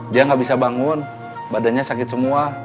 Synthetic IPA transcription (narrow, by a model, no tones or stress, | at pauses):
diaŋɡabisabaŋun | badanɲasakɪt̪̚səmua